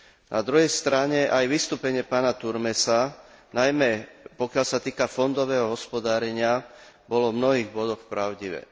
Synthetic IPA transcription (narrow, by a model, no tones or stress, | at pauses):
nʔa̰d̪ɾuɦɛjst̪ɾaɲɛʔajʋist̪uːpɛɲɪɛpaːnat̪uɾmɛsanajmɛpɔkɪalsat̪iːkafɔnd̪ɔʋɛːɦɔɦɔspɔd̪aːɾɛɲɪa | bɔlɔmnɔɦiːɣbɔd̪ɔxpɾaʊɟiʋɛ̰ː